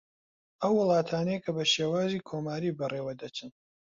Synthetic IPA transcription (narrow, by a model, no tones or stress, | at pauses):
ʔɐwːɨlˠɑːt̪ʰaːnejkʰɐbɐʃeːwaːziːkʰomaːɾiːbɐreːwɐd̪ɐt͡ʃʰɨn